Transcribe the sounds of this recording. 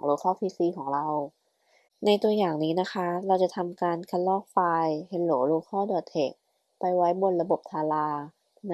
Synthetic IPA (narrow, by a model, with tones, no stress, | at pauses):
ŋloː˧kʰɔː˥˩pʰiː˧siː˧˩kʰɔː˩˦ŋɾa˧w | na˧jt̪u˧əjaː˨˩ŋniː˦˥na˦˥kʰa˦˥ɾa˧wt͡ɕa˨˩t̪ʰa˧mkaː˧nkʰa˧˥nlɔː˥˩k̚faː˧jhe˧nloː˨˦loː˧˥kʰɔː˥˩dɔː˨˩t̪ʰːe˨˩k̚ | pa˧jwa˦˥jbo˧nɾa˧bo˨˩p̚t̪ʰaː˧laː˧ | n˦